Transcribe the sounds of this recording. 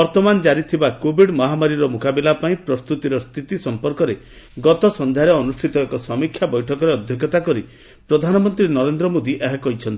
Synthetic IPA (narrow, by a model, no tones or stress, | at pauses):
bɔɾt̪ɔmand͡ʒaɾit̪ʰibakobiɖmɔɦamaɾiɾɔmukabilapaĩpɾɔst̪ut̪iɾɔst̪ʰit̪isɔmpɔɾkɔɾe | ɡɔt̪ɔsɔnd̪ʱjaɾeɔnusʈʰit̪ɔekɔsɔmikʰjabɔjʈʰɔkɔɾeɔd̪ʱjɔɡjɔt̪akɔɾi | pɾɔd̪ʱanɔmɔnt̪ɾinɔɾend̪ɾɔmod̪iʔeɦakɔɦit͡ʃʰɔnt̪i